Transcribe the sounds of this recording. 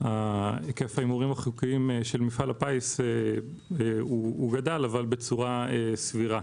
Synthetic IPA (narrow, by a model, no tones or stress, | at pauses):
aekefajimuʁimaχukiimeʃelmifalapaise | uuɡadalavalbe̞t͡suʁaesviʁa